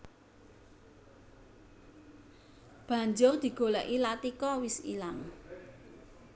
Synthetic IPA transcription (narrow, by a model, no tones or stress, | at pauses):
b̥ä̤ɲd͡ʒʊrd̪̥i̤ɡ̥o̤lɛ̰ʔilat̪ikɔwɪsḭlaŋ